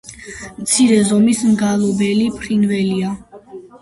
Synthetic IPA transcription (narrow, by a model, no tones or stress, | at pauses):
mt̪sʰiɾɛzɔmismɡalˠɔbɛlipʰɾinvɛlia